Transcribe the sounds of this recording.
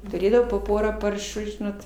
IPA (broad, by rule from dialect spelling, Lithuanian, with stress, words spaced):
tʊˈrʲeːdɐʋɐʊ poː ˈpoːrɑː ˈpɐrʃuː ˈʒʲɪnoːt